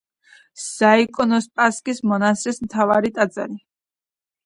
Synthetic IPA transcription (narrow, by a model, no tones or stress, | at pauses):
z̥aikʼɔnɔspʼaskʼismɔnasɾɛsmt̪ʰavaɾit̪ʼad̪za̰ɾi